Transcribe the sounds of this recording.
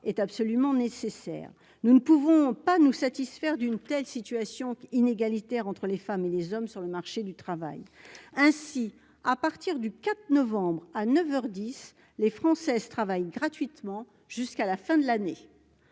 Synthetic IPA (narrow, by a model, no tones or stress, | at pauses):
ɛt̪apsɔlymɑ̃nesesɛ̰ːʁ | nunəpuvɔ̃panusat̪isfɛʁd̪ynt̪ɛlsit̪yasjɔ̃ineɡalit̪ɛʁɑ̃t̪χəlefamelezɔmsyʁləmaʁʃed̪yt̪χava̰jɛ̃si | apaʁt̪iʁd̪ykat̪nɔvɑ̃bʁanœvœʁd̪is | lefχɑ̃sɛzt̪χavajɡʁat̪ɥit̪mɑ̃ | ʒ̥yskalafɛ̃d̪əlane